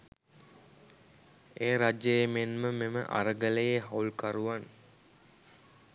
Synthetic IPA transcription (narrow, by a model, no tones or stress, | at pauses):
eːɾad͡ʒəjemenməmemə̰ʔa̰ɾəɡələjeɦaulkaɾuʋan